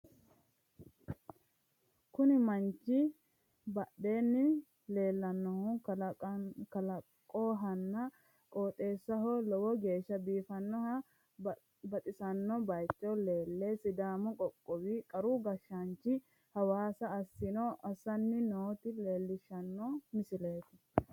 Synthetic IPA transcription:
kʊnɪmɐnt͡ʃɪ | bɐɗe̞ːnːɪ | le̞ːlːɐnːɔhu | kɐlɐkʼːoːɦɐnːɐ | kʼoːt̪ʼe̞ːsːɐɦolɔwɔɡe̞ːʃːɐbiːfɐnːɔhɐ | bɐt̪ʼɪsɐnːɔbɐjt͡ʃʼːɔle̞ːlːesɪd̪aːmɔkʼɔkʼːɔbɪkʼɐɾuɡɐʃːant͡ʃːɪ | hɐwaːsɐːsːɪnɔʔɐsɐnːɪnoːt̪ɪle̞ːlːɪʃɐnːɔmɪsɪle̞ːt̪ɪ

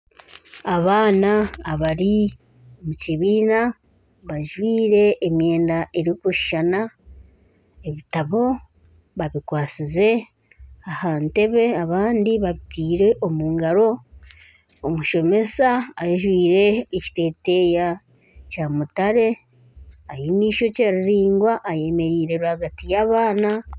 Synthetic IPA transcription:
aβaːnaːβaɾi | omuciβiːna | βaʒwiːɾe̞ːmje̞ːndaʔe̞ɾikuʃi̥ʃana | eβitaβo̞ | βaβikwaːt͡size̞ | ahante̞βe̞aβaːndiβaβitʰiːɾe̞ʔo̞muːŋɡaɾo̞ | omuʃo̞me̞saːʒwiːɾe̞ːci̥te̞ːte̞ja | caːmutaɾe̞ | ajiniːʃo̞caɾiɾiːŋɡwaʔːje̞me̞ɾiːɾe̞ɾehaɡatijaβaːna

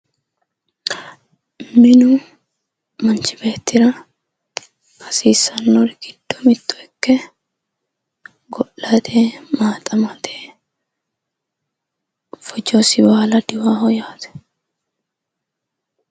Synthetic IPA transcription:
mɪnʊ | mɐnt͡ʃɪbeːt̪ːɪɾɐ | hɐsiːsːɐnːɔɾɡ̥ɪd̪̥ːɔmɪt̪ːɔɛkːɛ | ɡɔlːɐt̪ʰeːmaːt̪ʼɐmɐt̪eː | fɔd͡ʒɔsɪwaːlɐd̪ɪwaːhɔjaːt̪ɛ̥

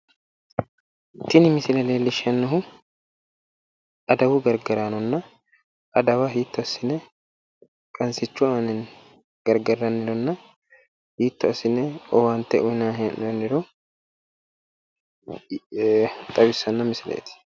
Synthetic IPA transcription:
t̪ɪnɪmɪsɪlɛleːlːɪʃɐnːɐɦʊ | ʔɐd̪ɐwʊɡɐɾɡɐɾanɔnːɐ | ɐd̪ɐwɐɦiːt̪ːʊɐsːɪnɛ | kʼɐnsɪt͡ʃːʊanɛn | ɡ̥ɐɾɡɐrːɐnːɪɾɔnːɐ | hiːt̪ːʊɐsɪnɛɔwant̪ːɛʔʊjnaɦʔnːɪɾɔ | t̪ʼɐbɪsːɐnːɐmɪsɪlḛːt̪ɪ̥

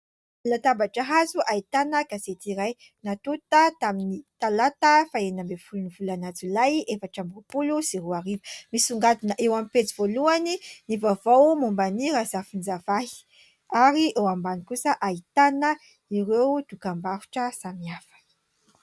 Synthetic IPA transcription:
lat̪abaʈ͡ʂəɦazuʔait̪anəkaset̪iɾaj | nat̪ut̪ət̪aminit̪alat̪əfaenambefulunivulanad͡zulajefaʈ͡ʂambuupulusiɾuaɾivəmisuŋɡat̪inaʔewamipet͡sivoluaninivavowmumbaniɾazafind͡zavahi̥ | aɾiewambanikusəʔait̪anə | iɾewd̪̥ukambaɾu̥ʈ͡ʂəsamiafə̥

